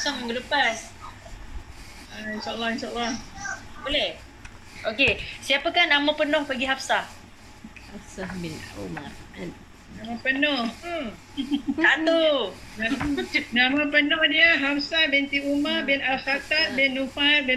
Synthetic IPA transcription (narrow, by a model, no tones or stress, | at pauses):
asaŋməŋɡəlupan | ainsaʔəlːahinʃaəlːahbolɛh | ʔokesiapəkahnaməpənɔhpəɡiɦafsah | hafsahbinṵma̰ran | namapənɔh | at̪uanãmapənɔhdiəɦafsabɛnt̪iumarbɛnalxat̪at̪̚bɛnːufarbɛ